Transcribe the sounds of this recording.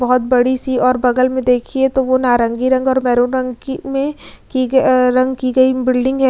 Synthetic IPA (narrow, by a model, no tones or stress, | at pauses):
bɐɦʊt̪̚bɐɽisiɔːɾbɐɡəlmẽd̪eːkʰiet̪oʋonaːɾə̃ŋɡiɾɐ̃ŋɡɔːɾmɛːɾoɾɐ̃ŋɡmẽkiɾɐ̃ŋɡkiɡɐibɪlɖɪ̃ŋɡɦɛː